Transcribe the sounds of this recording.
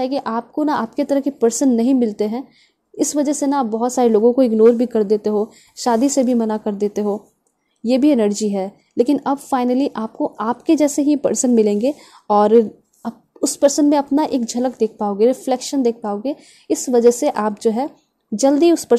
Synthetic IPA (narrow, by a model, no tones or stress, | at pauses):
ɦɛkiʔaːp̚konaaːp̚ket̪ɐɾəɦkipɐɾsənːɐɦĩmɪlt̪eɦɛ̃ː | ɪsʋɐd͡ʒəɦsenaaːp̚bɐɦʊt̪saːɾeloːɡõkoɪɡnoːɾbʱikɐɾd̪eːt̪eɦoː | ʃaːd̪isebʱimɐnakɐɾd̪eːt̪eɦoː | jeːbʱiɛnəɾd͡ʒiɦɛː | leːkɪnɐbfaːɪnəliʔaːp̚koʔaːpked͡ʒɛːseɦipɐ̰ɾsənmɪlẽːŋɡe | ɔːɾ | ɐ | ʊspɐɾsənmẽɐpnaʔeːk̚d͡ʒʱɐləkd̪eːkʰpaːoːɡeɾɪflɛːkʃənd̪eːk̚ʰpaːoːɡe | ɪsʋɐd͡ʒəɦseʔaːp̚d͡ʒoːɦɛ | d͡ʒɐld̪iʊspɐ